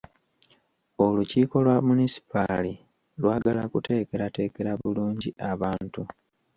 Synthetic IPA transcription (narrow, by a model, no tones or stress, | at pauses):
o̞luciːko̞lwamunisi̥pali | lwaːɡalakute̞ːke̞ɾate̞ːke̞ɾaβuluːɲɟiʔaβaːntu